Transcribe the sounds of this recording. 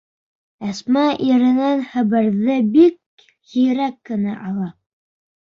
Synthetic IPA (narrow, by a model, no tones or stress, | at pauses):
æsmæʔiɾɘ̆nænχæ̆βɘ̆ɾðɘbik̚ | hijɾækːɘ̆næʔɑlˠɑ